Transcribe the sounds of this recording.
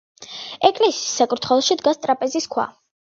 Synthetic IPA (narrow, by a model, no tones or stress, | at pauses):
ɛkʼlisiisːakʼɾut̪ʰχwɛlˠɔʃid̪ɡast̪ʼɾapʼɛziskʰwa̰